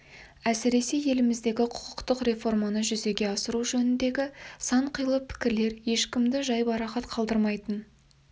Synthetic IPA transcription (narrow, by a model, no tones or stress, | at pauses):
æsɪɾe̞se̞je̞lɪmɪzd̪e̞ɡʲɪqʰʊ̥qʰʊ̥qt̪əqre̞fo̞rmɑnəʒʏze̞ɡʲe̞ɑsəɾuʒɵnɪnd̪e̞ɡʲɪsɑɴqʰəjlˠəpʰɪ̥kʲɪɾle̞ɾje̞ʃkʲɪmd̪ɪʒɑjbɑɾɑqɑt̪qʰɑlˠd̪əɾmɑjt̪ən